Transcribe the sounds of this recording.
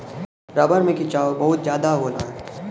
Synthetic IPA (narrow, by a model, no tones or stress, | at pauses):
ɾaːbəɾmẽkit͡ʃaːobɐɦʊt̪̚zjaːd̪aɦoːna̰ɦɛː